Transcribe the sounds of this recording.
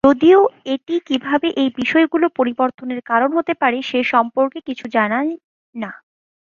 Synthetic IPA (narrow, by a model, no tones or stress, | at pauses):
d͡ʑod̪ioeʈikibʱabeʔejbiʃɔeɡulopoɾiboɾt̪ʰoneɾkaɾonɦot̪epaɾeʃeʃɔmpoɾkekit͡ɕʰud͡ʑana | na